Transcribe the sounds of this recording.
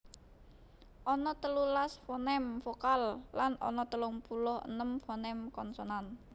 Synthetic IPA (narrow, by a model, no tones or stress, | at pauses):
ʔɔnɔt̪əlulasfɔnɛmfokalːanɔ̰nɔt̪əlɔŋpulɔhə̰nəmfɔnɛmkɔnsɔnan